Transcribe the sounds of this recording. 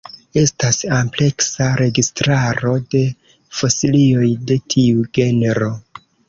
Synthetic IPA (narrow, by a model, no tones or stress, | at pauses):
e̞stasample̞ksaɾe̞ɡistɾaɾo̞de̞ | fo̞silio̞jde̞tʰiuɡe̞neɾo̞